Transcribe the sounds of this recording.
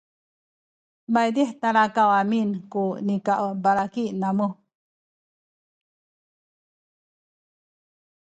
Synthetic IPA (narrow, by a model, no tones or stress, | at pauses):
bajd̪iht̪aɾakawaminkunikaʔwbaɾakiʔnamu